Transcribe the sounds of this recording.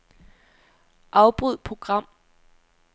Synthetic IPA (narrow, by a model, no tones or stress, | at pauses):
ʔɑ̈ʊb̥ʁuð̰ˠpʰʁo̝ɡ̥ʁɑ̈m̰